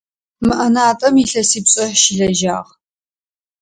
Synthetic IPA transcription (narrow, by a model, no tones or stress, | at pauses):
mɨʔɐnaːtʼɐmiɬɐsiːpɕʼɐħʃɪɮɐʒa̰ːʁ